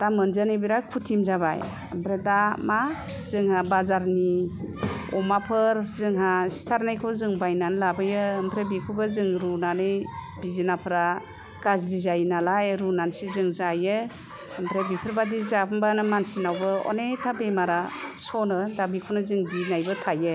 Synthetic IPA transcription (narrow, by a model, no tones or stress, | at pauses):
d̥amɯnzanebiɾakʰutʰimzaβa̰j | əmpʰɾedama | zɯŋhabazaɾni | ɔmapʰɯɾzɯŋɦasi̥tʰaɾnajkʰɔzɯŋbajnanlabɯjɯːmpʰɾebikʰubazɯŋɾunanɯjbizinapʰɯɾa | ɡ̥azɾizajnalajɾunansizɯŋzajɯ | mpʰɾebipʰɯɾbadizapʰɯmbanɯmansinawbɯɔ̰netʰabemaɾasɔnɯdabikʰɔnɯzɯŋbinajbɯtʰajɯ